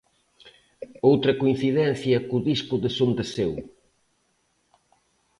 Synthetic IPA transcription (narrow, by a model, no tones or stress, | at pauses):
owt̪ɾɐkoin̟θiðɛn̟θjɐkʊðispʊðɪsond̪ɪsew